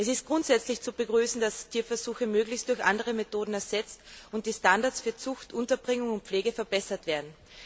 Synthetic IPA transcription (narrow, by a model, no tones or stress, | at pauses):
ʔɛsɪst̚ɡ̥ʁʊntz̥ɛt͡slɪçt͡subəɡʁyːsn̩d̥astʰiːɐfɛɐz̥uːxəmøːɡlɪçstd̥ʊɐçʔa̰ndəʁ̞əmetoːdn̩ɛɐzɛt͡stʊnt̚d̥iːstandaɐtsfyːɐt͡sʊxtʔʊntɐbʁɪŋʊŋʊnt̚p͡fleːɡəfɛɐbɛsɐtv̥eːɐdn̩